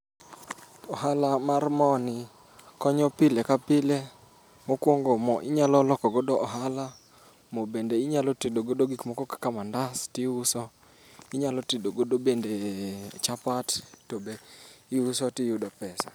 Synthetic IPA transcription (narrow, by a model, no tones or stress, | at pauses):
ɔɦalamarmɔnɪ | kɔɲɔpɪlekapɪle | mokwoŋɡomɔʔɪɲalɔlɔkɔɡodɔʔɔɦala | mobendeɪɲalɔtidoɡodoɡikmɔkɔkḁkamandastɪusɔ | ɪɲalɔtidoɡodobendet͡ʃapattobeiusɔtɪjʊdɔpɛsa̰